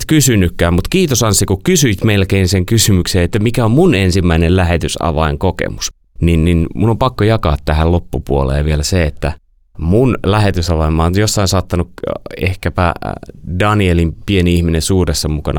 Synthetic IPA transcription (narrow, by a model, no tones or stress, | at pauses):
t̪kysynːˑykːæːmmut̪kiːt̪osɑnsːikukysyit̪melkeːnseŋkysymykseːet̪ːæmikæommunensimːæinellæhet̪ysɑ̰ʋɑ̰iŋkokḛmus | ninninmunːompɑkːojɑkɑ̰ːt̪t̪æhællopːupuolḛːʋielæseet̪ːæ | munlæhet̪ysɑʋɑimːɑːnjosːɑinsɑːt̪ːɑnukḛhkæpæ̰dɑnielimpieniihminensuːresːɑmukɑnɑ